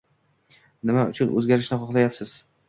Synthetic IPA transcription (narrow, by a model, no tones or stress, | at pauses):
nɪmaʊt͡ʃʰʊnʔɵ̰zɡʲaɾɪʃnɪχɒχlˠajapsɪz̥